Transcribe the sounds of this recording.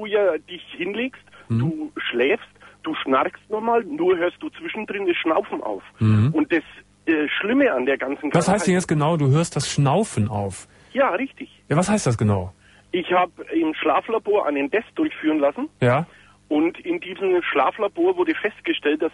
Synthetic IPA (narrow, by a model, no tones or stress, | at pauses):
d̥uːjaːd̥ɪçhɪnleːkstm̩d̥uːʃlɛːfstd̥uːʃnaɾkstnɔχmaːlnuːɐɦøːɐst̚d̥uːt͡sv̥ɪʃn̩dʁɪndɛsʃnaʊfn̩ʔa̰ʊf̩ʊnt̚d̥as | ʔɛːʃlɪməʔandeːɐɡant͡sn̩vashaɪsdɛnjɛt͡stɡ̥ənaʊduːɦøːɐst̚d̥asʃnaʊfn̩ʔa̰ʊf | jaːʁɪçtɪçjavashaɪstd̥asɡ̥ənaʊ | ʔɪçhaːbəɪmʃlaːflaboːɐʔa̰ɪnəndɛsd̥ʊɐçfyːʁənlasn̩jaː | ʔʊntɪndiːzn̩ʃla̰ːflaboːɐvʊɐdəfɛst̚ɡ̥əʃtɛlt̚d̥as